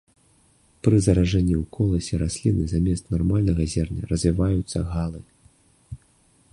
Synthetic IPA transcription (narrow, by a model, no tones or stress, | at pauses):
pɾɨzɐɾaʐɛnʲːiwkʰɔlˠɐsʲɛɾasʲlʲinɨzamʲɛst̪narmalʲnɐɣɐzʲɛrnʲɐ̰rɐzʲvʲivajut̪sːɐɣalˠɨ